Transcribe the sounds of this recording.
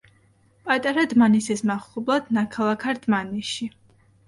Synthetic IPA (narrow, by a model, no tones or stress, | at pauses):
pʼat̪ʼaɾad̪manisismaχublˠad̪̥nakʰalˠakʰaɾd̪̥maniʃi